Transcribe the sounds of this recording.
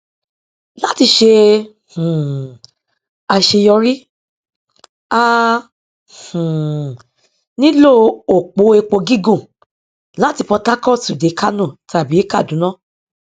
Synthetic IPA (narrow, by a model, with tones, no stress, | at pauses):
la˦ti˧ʃe˧ | h̩˨ | a˧ʃe˧jɔ˧ɾi˦ | a˦˧ | hũ˨ | nĩ˦lo˦o˨k͡po˨˦e˧k͡po˧ɡi˦ɡũ˦˨ | la˨˦ti˧pɔ˧ta˦kɔ˦˨tu˨de˨˦ka˦nũ˦˨tʰa˨bi˨˦ka˦˨dũ˨˦nã˦˨